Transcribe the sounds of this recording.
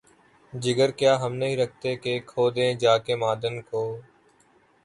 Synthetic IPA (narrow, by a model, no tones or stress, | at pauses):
d͡ʒɪɡəɾkjaːɦəmnəɦĩːɾək̚ʰt̪eːkeːkʰoːd̪ẽːd͡ʒaːkeːmaːd̪ənkoː